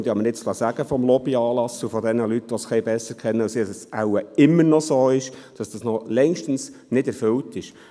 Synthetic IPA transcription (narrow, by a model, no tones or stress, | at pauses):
nd̥̪iɑməɾɪt͡slɑsæɡəfɔmlɔbiɑːlɑsufɔd̪ɛnəlytːʋɔsχɛɪbɛsəɾkχɛnːəusisəsæʊwəɪmːəɾnɔsoːɪʃd̥ɑsd̥ɑsnɔlɛŋʃtən̩snɪdɛɾfʏltɪʃ